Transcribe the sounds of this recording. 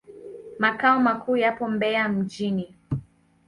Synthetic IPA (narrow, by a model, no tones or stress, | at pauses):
makaɔmakʰuːjapɔmbɛam̩d͡ʒini